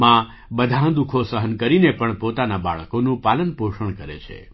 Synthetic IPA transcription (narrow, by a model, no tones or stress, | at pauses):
mã | bəd̪ʱãd̪ukʰosəɦənkəɾinepəɳpot̪anaba̰ɭəkonũpalənpoʃəɳkəɾḛt͡ʃʰḛ